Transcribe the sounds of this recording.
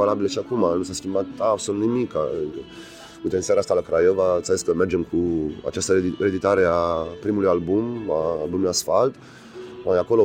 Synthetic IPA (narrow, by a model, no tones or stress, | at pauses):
valabiləʃiakumanusaskʲimbat̪absolut̪nimika | ut̪ensiaɾaast̪alakɾajovat̪saziskəme̞rd͡ʒe̞mkʰua̰t͡ʃast̪əed̪it̪aɾe̞apɾimulujalbumaːlbumuasfalt̪ | aako̞lo